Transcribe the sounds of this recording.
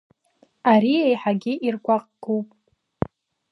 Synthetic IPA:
aɾiejħaɡʲɪʔirɡʷaqʼɡ̥upʼ

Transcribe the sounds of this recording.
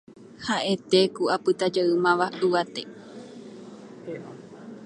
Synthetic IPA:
haʔe̞t̪ekuapɨt̪ad͡ʒaɨmãʋaɨʋat̪ḛ

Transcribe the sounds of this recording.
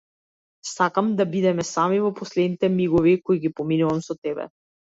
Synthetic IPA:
sakamd̪abid̪ɛmɛsamivɔpɔslɛd̪nit̪ɛmiɡɔvikɔiɡipɔminuvamsɔt̪ɛbɛ̰

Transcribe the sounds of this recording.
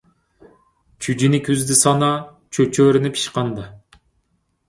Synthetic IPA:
t͡ʃʰyd͡ʒinɪkʲʰyzd̪ɪsɑnɑ | t͡ʃʰøt͡ʃʰøɾynɪpʰi̥ʃqɑnd̪ɑ

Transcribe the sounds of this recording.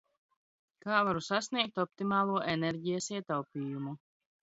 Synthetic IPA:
kaːvaɾusasniɛk̚t̪ɔp̚t̪imaːlˠuɔʔenɛɾɟijasiɛt̪awpʲiːjumu

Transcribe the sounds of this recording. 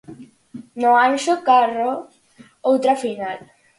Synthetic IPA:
noanʃokaro | owt̪ɾafinal

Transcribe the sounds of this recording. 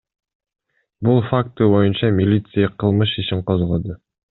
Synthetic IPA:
bulˠfak̚t̪ɨbo̞junt͡ʃɑmʲɪlʲit̪sɨjaqʰɯlˠmɯʃiʃiɴqozʁod̪u

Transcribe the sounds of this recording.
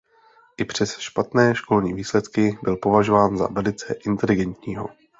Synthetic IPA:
ʔɪpr̝̥ɛsʃpat̪nɛːʃko̞lɲiːviːslɛt̪kɪbɪlpo̞vaʒovaːnza̰vɛlɪt͡sɛʔɪnt̪ɛlɪɡɛnt̪ɲiːɦo̞̰

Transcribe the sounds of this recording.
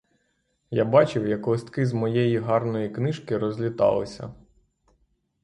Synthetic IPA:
ja̰bɑt͡ʃɪwjɐklˠɔst̪kɪzmɔjɛjiɦɑrnɔjiknɪʃkɪɾɔzʲlʲit̪ɑ̰lˠɪ̰sʲɐ̰

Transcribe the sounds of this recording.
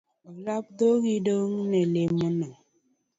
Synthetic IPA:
ɣlap̚doɣidoŋ̩nelemənəŋ

